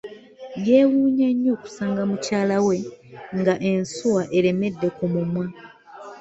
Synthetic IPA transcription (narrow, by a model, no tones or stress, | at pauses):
jeːwuːɲaɲːo̞ːku̥saːŋɡamucaːlawe̞ŋɡaʔe̞nsuwaʔe̞ɾe̞me̞dːe̞kumumwa